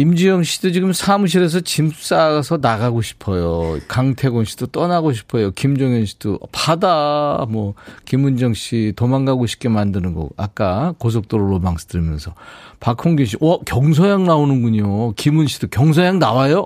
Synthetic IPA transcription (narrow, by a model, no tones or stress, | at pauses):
imd͡ʑijʌŋɕʰidot͡ɕiɡɯmsʰamuɕ̬ʰiɾe̞s̬ʰʌt͡ɕims͈asʰʌnaɡaɡoɕʰi̥pʰʌjokaŋtʰe̞ɡonɕʰi̥dot͈ʌnaɡoɕ̬ʰi̥pʰʌjokimd͡ʑʌŋjʌnɕʰi̥d̥o̰padamwʌkimund͡ʑʌŋɕʰitomaŋɡaɡoɕʰi̥p̚k͈emandɯnɯnɡʌ̰ka̰k͈akos̬ʰʌk̚t͈oɾoɾomaŋsdɯɭmjʌnsʰʌpakʰoŋɡiɕ̬ʰiwʌkjʌŋs̬ʰʌjaŋnaonɯnɡuɲokimunɕʰi̥d̥okjʌŋs̬ʰʌjaŋnawajo